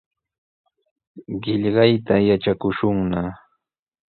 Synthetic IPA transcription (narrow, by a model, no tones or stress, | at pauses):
ɢɪʎɢɑjt̪ajaʈ͡ʂakʊʃʊŋna